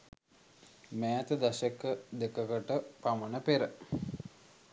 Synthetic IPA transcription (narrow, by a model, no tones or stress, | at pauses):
mæːt̪əd̪asekəd̪ekəkəʈəpamənəpeɾə